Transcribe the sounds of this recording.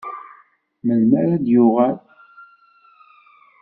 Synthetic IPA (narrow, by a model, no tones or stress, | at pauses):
məlməɾad̪jʊʁæl